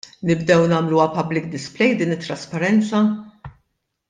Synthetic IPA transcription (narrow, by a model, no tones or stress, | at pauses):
nɪbd̪ɛwnɐːmluɐpɐblɪk̚d̪ɪsplɛjd̪iːnɪt̪ːɾɐspɐɾɛnt͡sɐ